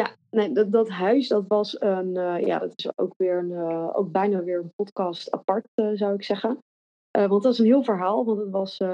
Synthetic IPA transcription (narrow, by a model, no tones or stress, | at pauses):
ja | nejddɑtɦœɥsdɑtʋɑsənja̰ːdɑtɪso̰wkʋɪːɹəno̰wk̚bɛjnaʋɪːɹənpɔtkɑsta̰pɑɹtːzawɪksɛχən | ʔəʋɑ̃ntɪs̬ənɦɪːlˠvəɹɦaːlˠʋɑntətʋɑs